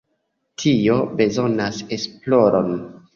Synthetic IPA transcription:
tʰio̞be̞zo̞nase̞splo̞ɾʔo̰n

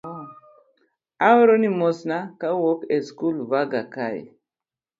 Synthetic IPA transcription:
awɾonimosnakawokeskulvaɡakaḭ

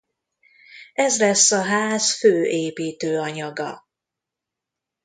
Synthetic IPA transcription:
ɛzlɛsːɒɦaːzføːʔeːpiːt̪øːɒɲɒɡɒ̰

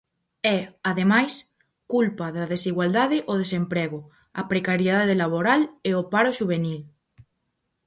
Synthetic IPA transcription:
ɛaðemajs | kulpaðaðesiɣwald̪aðɪʔoð̞esempɾɛɣo | ɐpɾekaɾjeðaðelaβ̞oɾaleopaɾoʃuβ̞enil

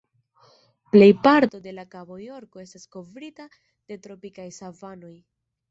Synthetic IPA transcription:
ple̞jpaɾto̞de̞lakabojo̞ɾko̞e̞stasko̞vɾita | d̥e̞tɾo̞pikajsavano̞j

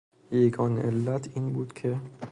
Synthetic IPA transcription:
jeɡɒːneʔelːæt̪ʰiːnbuːd̪̥cʰe

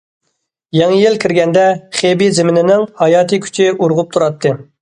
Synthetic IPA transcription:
jɑŋjilkʲʰiɾɡʲɛnd̪ɛχebizɪmɪnɪnɪŋhɑjɑːt̪ʰɨkʲʰy̥t͡ʃʰiʔuɾʁʊp̚t̪ʰuɾɑt̪ʰːɨ

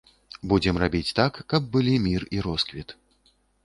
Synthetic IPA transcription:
bud͡zʲɛmrabʲit͡sʲt̪akːɐb̚ːɨlʲimʲiriɾɔskvʲit̪

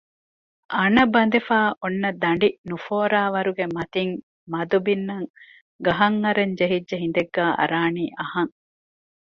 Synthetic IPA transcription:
ʔɐnɐbɐnd̪efaːʔonːɐd̪ɐɳɖinufoːɾaːʋɐɾuɡemɐt̪iŋ | mɐd̪ubinːɐŋ | ɡɐɦɐŋːɐɾeɲd͡ʒeɦid͡ʒːɐɦind̪eɡːæːʔɐ̰ɾaːniːʔɐhɐŋ

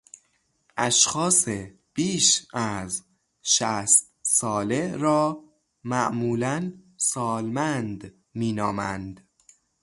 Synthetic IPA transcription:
ʔæʃxɒːse | b̥iːʃæz | ʃæst̪̚sɒːleɾɒː | mæʔmuːlænsɒːlmænd̪ | miːnɒːmænd̪

